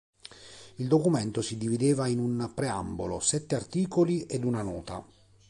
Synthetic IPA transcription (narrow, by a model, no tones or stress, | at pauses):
ild̪okumɛnt̪osid̪ivid̪eːvainunpɾea̰mbolo̰sɛt̪ːeart̪iːkoliʔed̪unanɔːt̪a̰